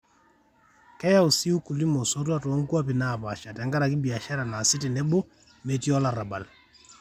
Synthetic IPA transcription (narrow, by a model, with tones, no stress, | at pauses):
kɛ˦ja˦u˨si˦u˦ku˨li˦mɔ˨so˦t̬wa˦tɔ˨˦ŋ˦ku˦a˦pi˨na˨pa˨ʃa˨tɛ˨ŋɡa˦ɾa˨k̬i˦bi˨a˨ʃa˦ɾa˨na˨si˦ti˨nɛ˦bo˦ | me˨ti˦ɔ˦la˨ɾa˨ba˨l